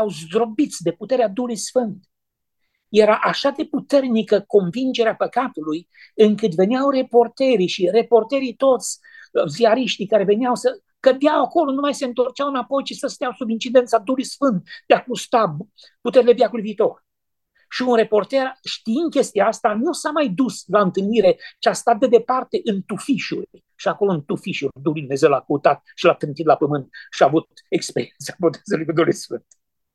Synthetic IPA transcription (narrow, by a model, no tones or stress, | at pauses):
awzd̪ɾo̞bit̪sʲd̪e̞put̪e̞ɾead̪uhulujsfɨnt̪ | je̞ɾaʔaʃad̪e̞put̪e̞rnikəko̞nvind͡ʒe̞ɾeapəkat̪uluj | ɨŋkɨt̪ve̞niawre̞po̞rt̪eɾiʃire̞po̞rt̪e̞ɾit̪o̞t̪sʲ | ziaɾiʃt̪ikaɾe̞ve̞niawsə | kəd̪jawako̞lo̞numajse̞ɨnt̪o̞rt͡ʃawɨnapo̞jt͡ʃisəst̪ejawsubint͡ʃid̪e̞nt̪sad̪uhlujsfɨnt̪̚d̪eakust̪a | put̪e̞ɾile̞vjakuljviːt̪o̞r | ʃiunre̞po̞rt̪e̞rʃt̪iind̪̚kʲe̞st̪iaast̪anusamajd̪uslaɨnt̪ɨlniɾe̞t͡ʃeast̪at̪̚d̪e̞d̪e̞part̪eʔɨnt̪ufiʃṵlj | ʃiako̞loɨnt̪ufiʃuɾd̪ulujd̪umezewlakəut̪at̪̚ʃilat̪ɾɨnt̪it̪lapəmɨnt̪ʃiaːvut̪t̪ekspeɾient̪sabot̪ezulujkud̪ulujsfɨnt̪